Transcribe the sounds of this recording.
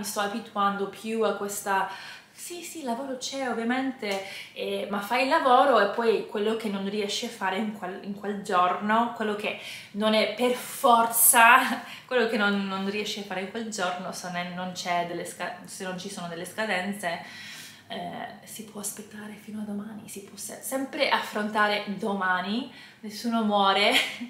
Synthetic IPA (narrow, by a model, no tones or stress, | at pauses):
mist̪ɔabit̪uand̪opʰjuakːwest̪a | sisilːavoːɾot͡ʃɛovːjament̪eɛmafːajilːavoːɾoepːɔjkwelːok̟enːonriɛʃːeafːaːɾeiŋkwelḭŋkweld͡ʒornokwelːok̟e | nonɛpːerfɔrt̪sa | kwelːokenːonːonriɛʃːeafːaːɾeiŋkweld͡ʒornosenːenːont͡ʃɛd̪elːeskasenːont͡ʃisoːnod̪elːeskad̪ɛnt̪se | ɛ | sipwɔaspet̪ːaːɾefiːnoad̪ːomaːnisipwɔsɛsɛmpɾeʔafːɾont̪aːɾed̪omaːni | nesːuːnomwɔːɾe